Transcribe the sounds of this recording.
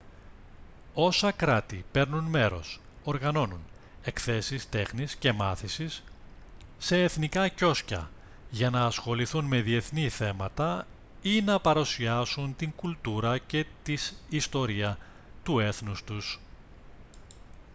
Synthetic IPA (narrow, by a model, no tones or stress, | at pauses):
o̞sɐkɾɐt̪ipe̞ɾnunme̞ɾo̞̰s | o̞ɾɣɐno̞nun | e̞kθe̞sist̪e̞xnisce̞mɐθisisː | e̞ːθnikɐco̞scɐ̰ | ʝɐnɐːsxo̞liθunme̞ðie̞θniθe̞mɐt̪ɐ | inɐpɐɾusiɐsunt̪iŋɡult̪uɾɐce̞t̪isist̪o̞ɾiɐ | t̪ue̞θnust̪us